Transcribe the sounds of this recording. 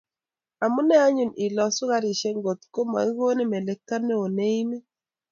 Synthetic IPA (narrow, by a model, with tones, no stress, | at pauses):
a˨mu˦nɛ˦a˦ɲu˨ni˨lɔ˨su˦ɣa˦ɾi˨ʃe˦ŋɡo˨t̪ko˦ma̰˨i˦ɣo˦ne˦me˨lɛ˨kːa˦ne˦o˨ne˦i˦me˦